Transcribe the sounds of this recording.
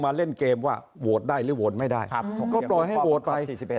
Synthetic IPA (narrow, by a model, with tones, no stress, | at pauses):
maː˧le˥˩nkeː˧mwaː˥˩ | wo˨˩t̪̚daː˥˩jlɯː˨˦woː˨˩t̪̚ma˥˩jdaː˥˩jkɔː˥˩plɔ˨˩jɦa˥˩jʔo˨˩t̪̚pa˧j